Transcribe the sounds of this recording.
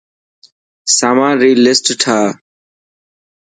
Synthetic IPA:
saːmãːɾiːlɪsʈʈʰaː

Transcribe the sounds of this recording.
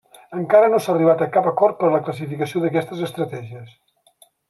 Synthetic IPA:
əŋkaɾənosaːriβ̞at̪əkapəkɔɾt̪̚pəɾləkləs̬ifikəsioðəkɛst̪əzəst̪ɾət̪ɛʒiəs

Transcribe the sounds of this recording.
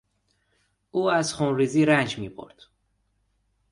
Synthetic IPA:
ʔuːæzxunɾiːziːɾænd͡ʒmiːbʰo̰ɾd̪̥

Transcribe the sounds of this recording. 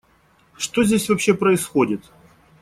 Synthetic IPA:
ʂt̪o̞zʲdʲesʲvɐpɕːe̞pɾəɪsxo̞dʲɪt̪

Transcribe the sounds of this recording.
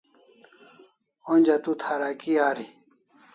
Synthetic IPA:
onʲd͡ʑat̪ut̪ʰaːɾakiaːɾi

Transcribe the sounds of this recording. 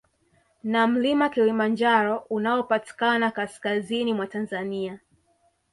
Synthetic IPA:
nam̩limakilimand͡ʒaɾɔunaɔpati̥kanakaskazinimwatanzania

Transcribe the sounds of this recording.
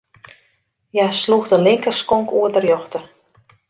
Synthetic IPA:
jasluxdənlɪŋkərskɔŋkuədərjɔxtə

